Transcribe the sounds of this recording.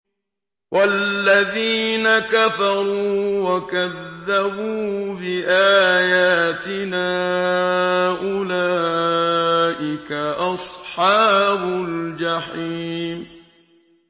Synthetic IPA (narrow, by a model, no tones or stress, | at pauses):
wʔalːaðiːnakafɑɾˤuːwakaðːabuːbɪʔaːjaːt̪ɪnaː | ʔʊlaː | ʔɪkaʔɑsˤħɑːbʊld͡ʒaħiːm